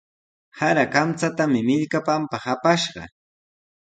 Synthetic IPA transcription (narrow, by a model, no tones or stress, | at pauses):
haɾakamt͡sat̪amɪmɪʎkapampahapaʃɢɑ̰